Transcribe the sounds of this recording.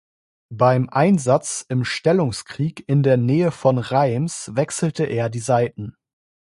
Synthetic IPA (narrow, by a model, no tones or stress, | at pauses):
b̥aɪmʔaɪnzat͡sɪmʃtɛlʊŋskʁ̥iːkɪndeːɐnɛːəfɔnʁaɪmsvɛksl̩təʔeːɐdiːzaɪtn̩